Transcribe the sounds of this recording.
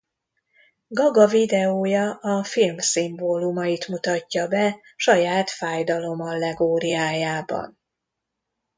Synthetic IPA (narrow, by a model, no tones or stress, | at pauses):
ɡɒɡɒvid̪ɛoːjɒɒfilmsimboːlumɒjit̪mut̪ɒcːɒbɛ | ʃɒjaːt̪faːjd̪ɒlo̞mɒlːɛɡoːɾiaːjaːbɒ̰n